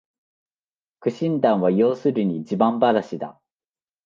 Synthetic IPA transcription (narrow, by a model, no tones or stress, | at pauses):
kɯ̟ɕĩnd̪ãɰ̃βajo̞ːsɨɾɯ̟ɲ̟iːt͡ɕibãmbaɾaɕid̪a̰